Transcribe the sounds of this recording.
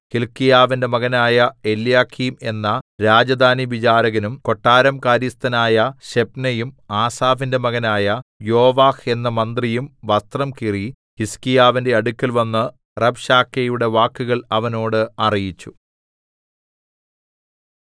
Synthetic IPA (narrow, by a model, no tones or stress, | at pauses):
hilkːijaːʋinde̞mɐɣɐnaːjɐe̞ljaːkʰime̞nːɐɾaːd͡ʑɐd̪ʱaːniʋit͡ɕaːɾɐɣɐnumko̞ʈːaːɾɐmkaːɾjɐst̪ɐnaːjɐɕe̞pnɐjumaːsaːfinde̞mɐɣɐnaːjɐjoːʋaːhe̞nːɐmɐnd̪rijumʋɐst̪rɐmkiri | hiskijaːʋinde̞ɐɽukʲːɐlʋɐnːɨ | rɐbɕaːkːejuɽe̞ʋaːkːuɣɐɭɐʋɐno̞ːɽɨɐrijit͡ɕːu̥